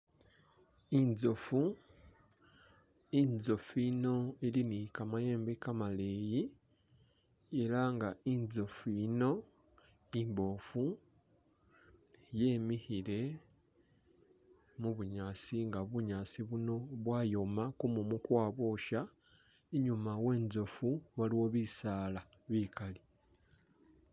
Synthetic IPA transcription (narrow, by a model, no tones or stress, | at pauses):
inzofu | inzo̞fiːno̞elinikamajeːmbekamale̞ji | eɾaŋɡainzofino̞ | imbo̞ːfu | je̞ːmihile̞ | muβuɲaːsiŋɡaβuɲaːsiβuno̞βwaːjo̞makumumukwaːβoʃa | eɲumawe̞ːnzo̞fuβaliwo̞βisaːla | βiːkali